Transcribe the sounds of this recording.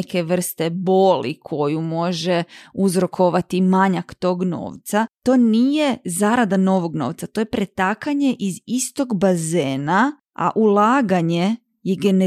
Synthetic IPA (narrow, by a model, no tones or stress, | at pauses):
ke̞ʋr̩st̪eboːlḭkʰo̞jumo̞ʒeuzɾo̞kʰo̞ʋat̪imaɲakt̪o̞ːɡno̰ːʋt̪sat̪o̞ːnije̞zaːɾad̪ano̞ʋo̞ɡno̞̰ːʋt̪sat̪o̞jepɾet̪akaɲe̞ʔizist̪o̞ɡbazeːna | a̰ʔulˠaːɡaɲe̞ | jeɡene